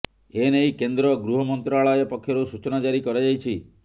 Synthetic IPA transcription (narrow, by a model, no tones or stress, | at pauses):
enejkend̪ɾɔɡɾuɦɔmɔnt̪ɾaɭɔjɔpɔkʰːjɔɾusut͡ʃɔnad͡ʒaɾikɔɾad͡ʒajt͡ʃʰi